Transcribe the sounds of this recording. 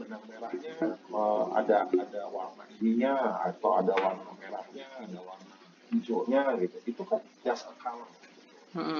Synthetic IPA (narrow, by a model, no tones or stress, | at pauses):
bənaŋmeɾahɲaəa̰daadawarmaʔiniɲaa̰t̪awadawarmameɾahɲaːdawarna | id͡ʒoʔɲaɡit̪uit̪ukanpiasəkalahɡit̪uu